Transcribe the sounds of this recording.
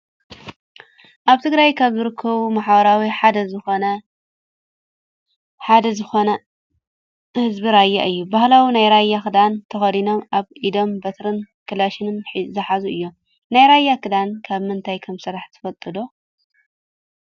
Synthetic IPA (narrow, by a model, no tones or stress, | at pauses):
ʔaβt̪ʰɨɡɾajkʰaβzɨɾɨkʰːɐβumaħbɐɾawiħad̪ɐzɨxonɐ | ħad̪ɐzɨxonɐ | hɨzbiɾajːa̰ʔɨjːubahlawinajɾajːakɨd̪ant̪ʰɐxɐd̪ino̞maβʔid̪o̞mbɐt̪ʰɾɨn | kʰɨlaʃɪnɨnħizɐħazuʔɨjːo̞m | najɾajːakʰɨd̪ankʰaβmɨnt̪ʰajkʰɐmsɨɾaħt̪ʰɨ̥fɐt̪ʼːɨd̪o̞